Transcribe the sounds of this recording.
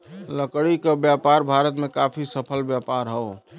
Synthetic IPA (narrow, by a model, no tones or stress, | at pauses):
ləkɽikebjapaɾbʱaɾət̪mekapʰisəpʰəlbjapaɾɦəo